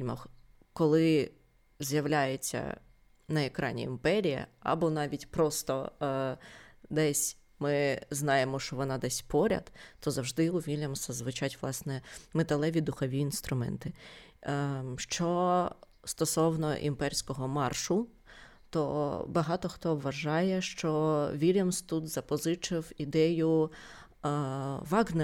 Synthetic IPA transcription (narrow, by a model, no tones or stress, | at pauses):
lʲmɐx | kɔlˠɪ | zʲjɐʋlʲajet͡sʲːɐ̰ | nɐekɾɑ̰nʲḭimpɛɾʲijɐ̰ɐ̰bɔnɑʋʲitʲpɾɔst̪ɔ | d̪ɛsʲ | mɪznɑjemɔʃt͡ʃɔʋɔnɑd̪ɛsʲpɔɾʲɐ̰d̪̥ɔzɐwʒd̪ɪʊʋʲilʲɐmɔsɐzʋɪt͡ʃɑtʲʋlˠɑsnɛmet̪ɐlˠɛʋʲid̪ʊxɔʋʲiːnst̪ɾʊmɛ̰nt̪ɪ | ʃt͡ʃɔ | st̪ɔsɔwnɔ̰ʔḭmpɛɾʲsʲkɔɦɔmɑrʃʊ | t̪ɔbɐɦɑt̪ɔxt̪ɔʋːɐʒɑjɛʃt͡ʃɔʋʲilʲɐmst̪ut̪zɐpɔzɪt͡ʃɪwid̪ɛjʊ | ʋɑɡnɛ